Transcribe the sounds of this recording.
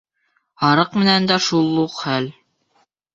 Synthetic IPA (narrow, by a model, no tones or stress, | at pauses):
hɑɾɤqmɘ̆nænd̪æʃulˠːuqχæl